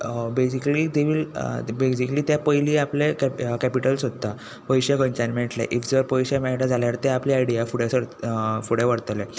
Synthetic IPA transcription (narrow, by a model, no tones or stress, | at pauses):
besikliːd̪eʋiːlbesikliːt̪japəjliːaplekkæpiʈəlsɦot̪ːa | pəiɕjakənt͡ɕanmeɳʈla̰ʔifd͡zeʋəɾpəjɕjamɛʈad͡zʱaljaɾt̪eapliajɽijafuɽesəɽfuɽjaʋəɽt̪le